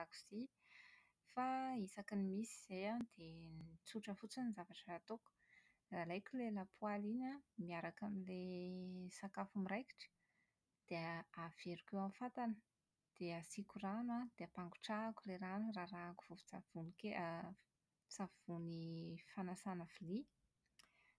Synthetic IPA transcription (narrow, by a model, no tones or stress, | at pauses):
aku̥z̥i | faisakinimisiz̥ejand̪̥ent͡suʈ͡ʂəfut͡sinizavaʈ͡ʂəat̪oku̥ | ralajkʲulelapʰualiɲəmiaɾakamile | sakafumiɾajki̥ʈ͡ʂə̥ | d̪̥eəav̥eɾukewamfat̪anə̥ | d̪̥easikuranwad̪̥eapaŋɡuʈ͡ʂakuleɾanurarakuv̥uvu̥t͡sav̥unikea | t͡sav̥unifanasanavili